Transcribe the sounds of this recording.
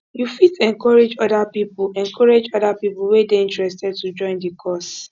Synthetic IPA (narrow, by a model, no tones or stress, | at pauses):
jufitɛ̃ŋkɔɹed͡ʒɔdapipʊlɛ̃ŋkʰɔɹed͡ʒɔdapipʊwedeĩntɹɛstɛd̚tud͡ʒɔ̃ɪ̃ndikʰɔs